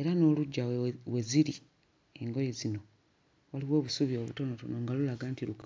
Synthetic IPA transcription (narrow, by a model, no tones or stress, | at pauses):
e̞ɾano̞ːluɟːawe̞ziɾi | e̞ŋɡo̞jezino̞ | waliβwo̞ːβusuβjoβuto̞no̞tonoŋɡalulaɡaːntiluka